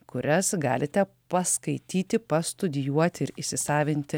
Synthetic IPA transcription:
kʊɾʲɛsɡɑ̰ːlʲɪt̪ʲɛ | pɐskɐɪt̪ʲiːt̪ʲɪpɐst̪ʊd̪ʲɪjuɔt̪ʲɪɪɾɪsʲɪsɑːʋʲɪnʲt̪ʲɪ

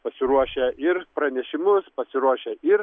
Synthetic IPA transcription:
pɐsʲɪɾuɔʃʲɛʔɪɾpɾɐnʲɛʃʲɪmʊspɐsʲɪɾuɔʃʲɛɪɾ

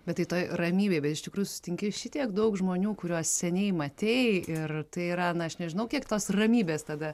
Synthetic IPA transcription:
bʲɛt̪tɐɪt̪oːjrɐmʲiːbʲeɪbʲɛt̪ɪʃtʲɪkɾuːjusʊ̥sʲɪtʲɪŋʲkʲɪʃʲɪt̪ʲiɛkd̪ɐʊkʒmoːnʲuːkʊɾʲuɔssʲɛnʲɛɪmɐt̪ʲeɪɪrt̪ɐɪiːɾɐnɐɐʃnʲɛʒʲɪnɐʊkʲiɛkt̪oːsrɐmʲiːbʲeːst̪ɐd̪ɐ

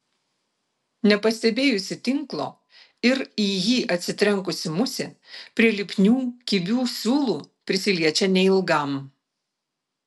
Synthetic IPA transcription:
nʲɛpɐsʲt̪ʲɛbʲeːjʊsʲɪt̪ʲɪŋklˠo̰ː | ɪɾiːjiːʔɐt̪ʲsʲɪt̪ʲɾʲɛŋˑkʊsʲɪmʊsʲɪpʲɾʲiɛlʲɪpʲnʲuːkʲɪbʲuːsʲuːlˠuːpʲɾʲɪsʲɪlʲiɛt͡ʃʲɛnʲɛɪlˠɡɐˑm

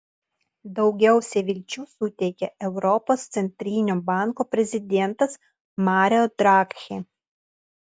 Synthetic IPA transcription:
d̪ɒʊɡʲɛʊsʲɛʋʲɪlʲt͡ʃʲuːsʊt̪ʲɛɪkʲɛɛʊɾɔpoːst̪sʲɛnʲt̪ʲɾʲinʲoːbɑˑŋkoːpʲɾʲɛzʲɪd̪ʲɛnt̪ɐs | mɑːɾʲod̪ɾɑkxʲe

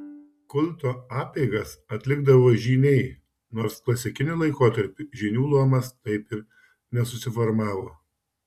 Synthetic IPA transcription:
kʊlʲˑt̪oːɑːpʲɛɪɡɐsɐt̪ʲlʲɪɡd̪ɐʋoːʒʲiːnʲɛɪ | noːɾsklˠɐsʲɪkʲɪnʲɪlˠɐɪkoːt̪ɐɾʲpʲɪʒʲinʲuːlˠuɔmɐst̪ɐɪpɪɾ | nʲɛsʊsʲɪfɔɾmɑːʋoː

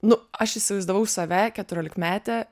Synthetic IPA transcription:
nʊɐʃɪʃʲsʲɪʋɐɪzd̪ɐʋɐʊsɐʋʲækʲɛt̪ʊɾʲoːlʲɪkmʲæːt̪ʲɛ

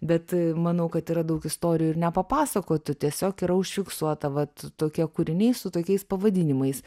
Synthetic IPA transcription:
bʲɛt̪mɐnɐʊkɐt̪iːɾɐd̪ɐʊkɪst̪oːɾʲɪjuɪɾnʲɛpɐpɑːsɐkoːt̪ʲʊt̪ʲiɛsʲoːkiːɾɐʊʃʲfʲɪksuɔt̪ɐʋɐt̪toːkʲiɛkuɾʲɪnʲɛɪsʊt̪oːkʲɛɪspɐʋɐd̪ʲɪnʲɪmɐɪs

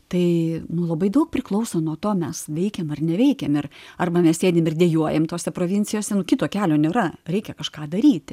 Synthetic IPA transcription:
t̪ɐɪnʊlˠɐbɐɪd̪ɐʊk̚pʲrʲɾʲɪklˠɐʊsoːnuɔt̪oːmʲɛsʋʲɛɪkʲɛmɐrnʲɛʋʲɛɪkʲɛmɪrɐrbɐmʲɛssʲeːd̪ʲemɪrd̪ʲeːjuɔjɛmt̪oːsʲɛpɾoːʋʲɪnʲt͡sʲɪjoːsʲɛnʊkʲɪt̪oːkʲæːlʲoːnʲeːɾɐɾʲɛɪkʲɛkɐʃkɑːd̪ɐɾʲiːt̪ʲ

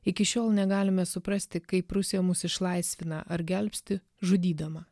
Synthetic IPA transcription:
ɪkʲɪʃʲoːlˠnʲɛɡɑːlʲɪmʲɛsʊpɾɐsʲt̪ʲɪkɐɪpɾʊsʲijɛmʊsɪʃlˠɐɪsʲʋʲɪnɐʔɐɾɡʲɛlʲpʲsʲt̪ʲɪ | ʒʊd̪ʲiːd̪ɐmɐ

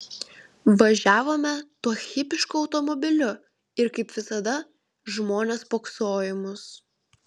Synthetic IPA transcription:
ʋɐʒʲæːʋoːmʲɛt̪uɔxʲɪpʲɪʃkʊɒʊt̪ɔmɔbʲɪlʲʊ | ɪɾkɐɪpʋʲɪsɐd̪ɐ | ʒmoːnʲeːspoːksoːjɪmʊs

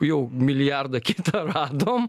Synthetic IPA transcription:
ewmiliaɾd̪ɐkit̪ɐɾad̪õm

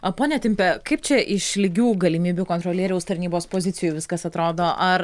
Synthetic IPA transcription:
ɐpoːnʲɛt̪ʲɪmʲpʲɛkɐɪp̚t͡ʃʲɛʔɪʃlʲɪɡʲuːɡɐlʲɪmʲiːbʲuːkoːnt̪ɾoːlʲiɛɾʲɛʊst̪ɐɾʲnʲiːboːspoːzʲɪt̪sʲɪjuʊjʋʲɪskɐsɐt̪ɾoːd̪oːʔɐr

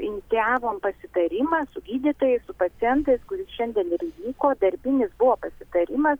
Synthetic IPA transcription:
ɪnʲɪt̪sʲɪjɑːʋoːmpɐsʲɪt̪ɐɾʲɪmɑːsʊɡʲiːd̪ʲit̪oːjɛɪsʊpɐt̪sʲɪjɛnt̪ɐɪskʊɾʲɪsʃʲɛnʲd̪ʲɛnɪɾɪʋʲiːkoːd̪ɐɾʲbʲɪnʲɪsbʊʋoːpɐsʲɪt̪ɐɾʲɪmɐs

